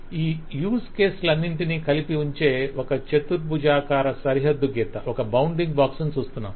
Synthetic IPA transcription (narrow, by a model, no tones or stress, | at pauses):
iːjuːskeːslɐnːiɳʈinikɐlipiuɲt͡ʃe̞ːɔkɐt͡ʃet̪uɾpud͡ʒaːkaːɾɐsɐɾiɦɐd̪ːuɡeːt̪ɐʔɔkɐbɐwɳɖiŋɡbaːksunt͡ʃuːst̪unːa̰m